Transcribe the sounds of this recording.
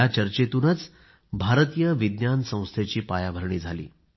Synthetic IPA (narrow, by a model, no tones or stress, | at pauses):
at͡ɕəɾt͡ɕet̪unət͡s | bʱaɾt̪ijəʋid̪njansə̃w̃st̪ʰet͡ɕiːpajabʱəɾɳiːd͡zʱalḭː